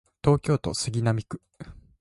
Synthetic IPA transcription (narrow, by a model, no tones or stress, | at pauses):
t̪o̞ːkʲo̞ːt̪osɨɡʲinamʲikɯ̟̥